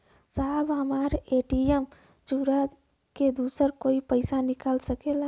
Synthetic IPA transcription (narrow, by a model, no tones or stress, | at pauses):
sabɦəmaɾeʈijem | d͡ʒuɾə | ked̪usəɾkoːipəɪsanikəlsəkela